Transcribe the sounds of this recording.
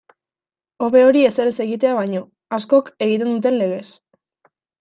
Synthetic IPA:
o̞βe̞o̞ɾie̞seɾese̞ɣit̪e̞aβ̞ajɲo̞ | asko̞ke̞ɣit̪̬e̞nd̪ut̪̬e̞nle̞ɣ̞e̞s

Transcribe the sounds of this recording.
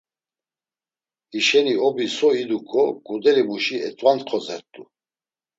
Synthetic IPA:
iʃɛniɔbisɔid̪ukʼʰɔkʼud̪ɛɾibuʃiɛt͡sʼwant̪qʰɔzɛ̰ɾt̪ʼu

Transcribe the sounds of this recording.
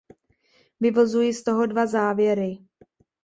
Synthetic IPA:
vɪvo̞zujist̪o̞ɦo̞dvazaːvjɛɾɪ

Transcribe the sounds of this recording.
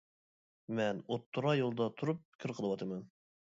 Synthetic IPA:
mɛnot̪ʰːuɾɑjolˠd̪ɑt̪ʰuɾup̚kʲʰiɾqʰəlˠəwɑt̪ʰɨmɑn

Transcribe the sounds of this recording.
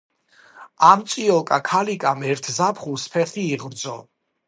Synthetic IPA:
amt̪sʼiɔkʼakʰalikʼamɛɾt̪ʰzapʰχuspʰɛχʰiːʁɾd̪zɔ

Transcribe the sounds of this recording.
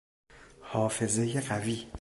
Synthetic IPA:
hɒːfe̞zejeɢæviː

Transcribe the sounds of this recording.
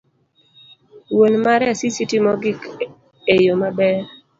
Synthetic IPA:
wonmaɾɛasisitimɔɡik | ejomabɛ

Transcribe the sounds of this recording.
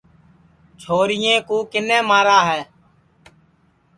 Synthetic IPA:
t͡ʃʰoːɾɪjẽːkuːkɪnɛ̃ːmaːɾaːɦɛː

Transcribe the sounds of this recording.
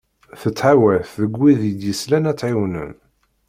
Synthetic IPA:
θət͡sːħawæθːəɡʷːiðjəd̪jəslænæt͡sːʕiwnə̰n

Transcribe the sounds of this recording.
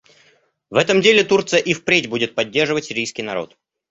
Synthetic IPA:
vɛt̪əmdʲelʲɪt̪urt̪sɨjəʔifpɾʲetʲbudʲɪt̪̚pɐdʲːerʐɨvətʲsʲɪɾʲijskʲɪjnɐɾo̞̰t̪

